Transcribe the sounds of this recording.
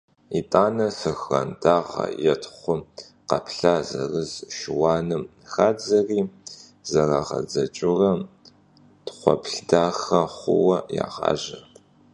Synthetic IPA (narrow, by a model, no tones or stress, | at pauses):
itʼaːnɐfɨxrɐntʰaːʁɐ̰jɛtʰχʷʊ | qɐpɬaːzɐ̰rɨzʃɪwɑːnɨm | xaːd͡zɐriː | zɐraːʁɐ̰d͡zɐt͡ʃʼʊrɐ | tχʷɔ̰pʰɬdaːxɐχʷʊ̰wɐja̰ːʁɑ̰ːʒɐ